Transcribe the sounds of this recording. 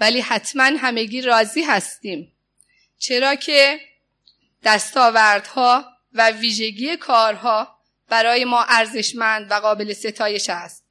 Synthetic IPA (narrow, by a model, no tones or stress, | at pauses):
væliːhæt̪ʰmænɦæme̞ɡiːɾɒːziːɦæst̪iːm | t͡ʃʰe̞ɾɒːcʰe | d̪̥æst̪ɒːvæɾd̪̥hɒː | væviːʒe̞ɡiːje̞kʰɒːɾɦɒː | b̥æɾɒːje̞mɒːʔæɾze̞ʃmænd̪væɣɒːbe̞le̞se̞t̪ʰɒːje̞ʃæst̪̚